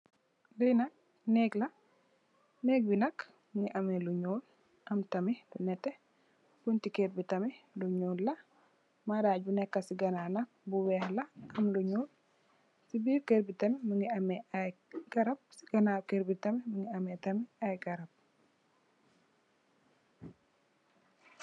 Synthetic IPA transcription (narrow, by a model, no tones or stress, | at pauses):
dɐjnɐk̚ | nɛːklɐ | nɛk̚binɐk | məŋɡiʔɐmɛluɲuːl | ʔɐmtɐmidunɛtːɛ | b̥untikɛɾbitɐmɛluɲuːllːɐ | madaːɟbunɛkːɐsiɡɐnanɐk̚buwɛhlɐɐmluɲuːl | sibiːɾkɛɾbitɐmiməŋɡiɐmɛɐjɡ̥ɐɾɐp̚si̥ɡɐnakeɾbitɐmɛməŋɡiɐmɛtɐmiɐjɡɐɾɐp̚